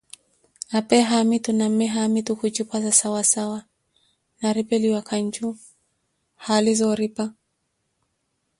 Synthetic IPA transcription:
apɛɦamitunamɛɦamitukut͡ʃipwazasawasawa | naɾipɛliwakʰaɲt͡ʃu | halizɔɾipa

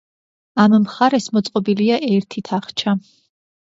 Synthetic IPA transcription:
ammχaɾɛsmɔt̪sʼqʼɔbiliaʔɛɾt̪ʰit̪ʰaχt͡ʃʰa

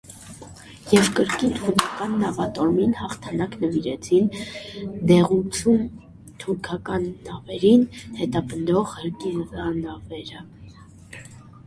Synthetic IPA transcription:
jɛvkəɾkint̪ʰuɾkʰɑkɑnːɑvɑt̪ɔɾminhɑχt̪ʰɑnɑknəviɾɛt͡sʰin | d̪ɛʁut͡sʰjun | t̪ʰuɾkʰɑkɑnːɑvɛɾinhɛt̪ɑpənd̪ɔʁhəɾkizɑnɑvɛɾə

